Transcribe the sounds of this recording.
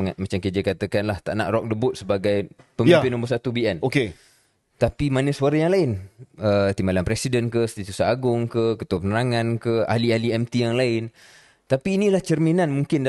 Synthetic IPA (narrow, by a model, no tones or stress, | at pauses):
mat͡ʃamkid͡ʒəkat̪əkanlaht̪a̰ʔna̰ʔrɔk̚dəbʊt̪̚səbaɡajpəmipɪnombəsat̪ubiɛnoke | t̪apimanəsuaɾajaŋlaɪnət̪imbalanpɾɛsidənkəst̪it̪usaaɡʊŋkəkət̪uapənənaŋãnkəa̰lialiɛmt̪ijaŋlaɪn | t̪apiːnĩlaht͡ʃərminanmuŋkɪnd